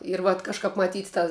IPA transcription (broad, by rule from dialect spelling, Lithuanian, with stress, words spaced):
ɪr ʋɐt kɐʃˈkɑːp mɐˈtʲiːt tɐ